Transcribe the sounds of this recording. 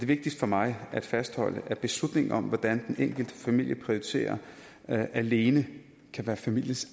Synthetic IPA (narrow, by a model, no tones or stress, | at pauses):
d̥e̝ʋe̝ɡ̥̚d̥isd̥fɒ̽mɑ̈ɪæd̥fæsd̥hɒ̽l̰əʔæb̥e̝slud̥ne̝ŋ̩ɒ̽m̰ʋɒd̥ænd̥enʔeŋ̰ɡ̥l̩d̥əfæmil̰jəpʰʁioit͡sʰe̝̰ːɐ | ʔæle̝ːnə | kʰæʋæːɐfæmil̰jəs